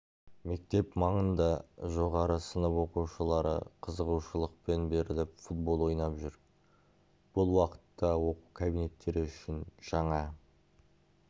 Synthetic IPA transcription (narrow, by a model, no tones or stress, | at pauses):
me̞k̚t̪e̞pmɑɴənd̪ɑʒo̞ʁɑɾəsənəpwo̞quwʃəlˠɑɾə̰qʰəzəʁuʃəlˠəq̚pe̞nbe̞ɾɪlɪpfut̪̚bo̞lˠo̞jnɑpʒʏɾ | b̥ʊlˠwɑqə̥t̪ːɑwo̞qukʰabijne̞t̪ːe̞ɾɪʏʃɪnʒ̥ɑɴɑ